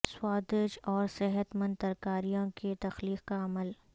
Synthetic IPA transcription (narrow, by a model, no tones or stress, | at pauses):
swaːd̪ɪʃɔːɾsɪɦət̪mə̃nd̪t̪ɐɾkaːɾijõket̪ɐxliːqkaɐməl